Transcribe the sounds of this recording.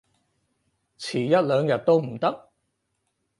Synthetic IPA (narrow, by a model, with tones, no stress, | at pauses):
t͡sʰiː˨˩jɐ˥t̚lœː˨˧ŋjɐ˨t̚t̪o˥wm̩˨˩t̪ɐ˥k̚